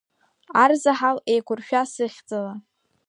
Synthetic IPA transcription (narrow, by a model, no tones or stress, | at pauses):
arzaħalejkʷʰʊrʃᶣasɨχʲd͡zala